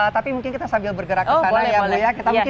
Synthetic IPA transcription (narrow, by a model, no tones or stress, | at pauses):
ət̪apimuŋkɪnkit̪asambɪlbərɡəɾakəaajaujakit̪amũkɪ